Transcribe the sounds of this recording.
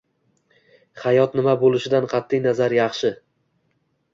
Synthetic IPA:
χɑjɒt̪nɪmabolˠɪʃɪd̪anqʰɑt̪ʰːɪjnazaɾjɑχʃɪ

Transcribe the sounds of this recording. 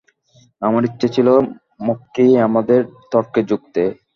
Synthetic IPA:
amaɾitːɕʰet͡ɕʰilo | mokːiamad̪eɾt̪ɔɾked͡ʑuɡ̚t̪e

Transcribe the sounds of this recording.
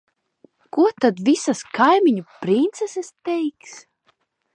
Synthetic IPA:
kuɔt̪ad̪visaskajmʲiɲupɾint̪sɛsɛst̪ɛjks

